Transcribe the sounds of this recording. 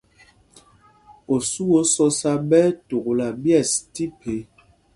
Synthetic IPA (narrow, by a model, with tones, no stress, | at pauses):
o˨su˦o˨˦sɔ˦sa˦bɛ˦to˨kla˨bjɛ˦˨sti˦pʰe˨˦